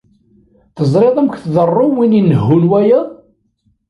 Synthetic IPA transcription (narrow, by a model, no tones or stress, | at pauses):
θəzˤɾˤeðˤəmkʷθðərˤːʊwininːəɦːʊlwæjæ